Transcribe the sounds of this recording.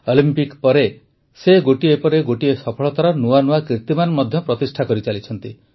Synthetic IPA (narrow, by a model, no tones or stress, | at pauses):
ɔlimpikpɔɾe | seɡoʈiepɔɾeɡoʈiesɔpʰɔɭɔt̪aɾɔnuanuakɾit̪imanmɔd̪ʱjɔpɾɔt̪isʈʰakɔɾit͡ʃalit͡ʃʰɔnt̪i